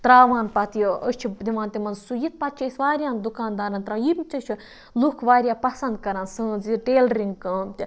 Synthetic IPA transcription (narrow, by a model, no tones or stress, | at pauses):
t̪ɾaːʋaːnpɐt̪jiəst͡ʃʰid̪iʋãːnt̪ʲimɐnsujit̪̚pɐt̪̚t͡ʃʰisʲʋaːɾʲjãːnd̪ukaːnd̪aːɾɐnt̪ɾãːjibʲt͡ʃʰɐsʲt͡ʃʰi | lukʰʋaːɾʲjaːpɐsɐ̃nd̪̚kɐɾaːnsɨ̃ːnziʈeːlɾiŋɡkɐːmt̪ʲi